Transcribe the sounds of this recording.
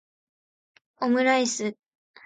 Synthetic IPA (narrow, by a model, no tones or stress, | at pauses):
omɯ̟ɾaisɨ